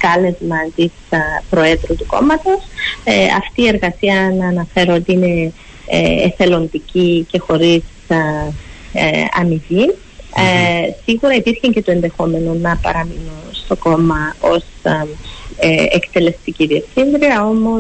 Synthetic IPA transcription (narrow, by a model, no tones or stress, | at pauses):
kɐle̞zmɐnt̪ispɾo̞e̞ðɾut̪uko̞̰mɐt̪o̞sɐ̰ft̪iːe̞ɾɣɐsiɐnɐːnɐfe̞ɾo̞t̪iine̞̰ | ḛfe̞lo̞nd̪icice̞xo̞ɾis | ɐ̰miʝi | siɣuɾɐipiɾçeɲce̞t̪oe̞nd̪e̞xo̞me̞nonɐpɐ̰ɾɐminunst̪o̞ko̞mɐo̞s | ḛkt̪e̞le̞st̪iciðie̞fθind̪ɾiɐo̞mo